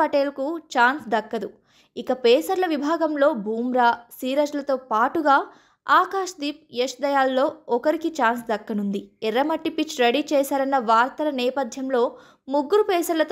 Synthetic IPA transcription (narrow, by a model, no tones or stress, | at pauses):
ɐʈeːlɐkut͡ʃaːnsd̪ɐkːɐd̪u | ikɐpɛːsɐɾlɐʋibʱaːɡɐmlo̞ːbʱuːmɾaːsiːɾɐd͡ʒlɐt̪o̞ːpaːʈuɡaː | aːkaːʂd̪iːp̚eʂd̪ɐjaːlːo̞ːɔkɐɾikit͡ʃaːnsd̪ɐkːɐnund̪iɛɾɐmɐʈːipit͡ʃːɾɐɽit͡ʃɛːsaːɾɐnːɐʋaːɾt̪ɐlɐnɛːpɐd̪ʱjɐmlo̞ː | muɡːuɾupɛːsɐɾlɐt̪